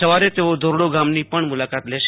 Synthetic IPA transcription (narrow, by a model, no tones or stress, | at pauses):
əʋaɾet̪eod̪ʱoɾɽoɡamnipəɳmʊlakat̪lɛʃ